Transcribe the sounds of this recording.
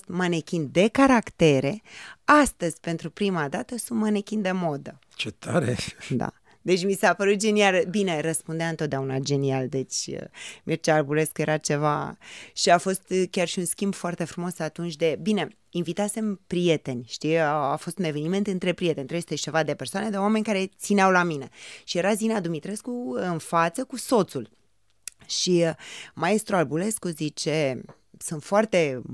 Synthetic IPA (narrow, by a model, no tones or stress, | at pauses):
t̪manekʲind̪e̞kaɾakt̪e̞ɾe̞ast̪əzʲpe̞nt̪ɾupɾimad̪at̪əsunt̪manekʲind̪e̞mo̞d̪ə | t͡ʃet̪ʰa̰ɾḛd̪a̰ | d̪e̞t͡ʃʲmisapəɾut̪̚d͡ʒe̞nialbine̞rəspund̪eaɨnt̪ot̪̚d̪aunad͡ʒe̞niald̪e̞t͡ʃʲmirt͡ʃarbuɾe̞skje̞ɾat͡ʃe̞vaʃiafo̞st̪kʲarʃiunskʲimbfoart̪e̞fɾumo̞sat̪unt͡ʃʲd̪e̞bine̞ | invit̪ase̞mpɾije̞t̪e̞nʲʃt̪iafo̞st̪une̞ve̞nime̞nt̪ɨnt̪ɾe̞pɾie̞t̪e̞nʲt̪ɾejst̪et͡ʃe̞vad̪e̞pe̞rsoane̞d̪eoame̞nʲkaɾe̞t̪sineawlamine̞ʃije̞ɾazinad̪umit̪ɾe̞skuɨnfat̪səkuso̞t̪sul | ʃimae̞st̪ɾualbule̞skuzit͡ʃe̞ | sunt̪foart̪e̞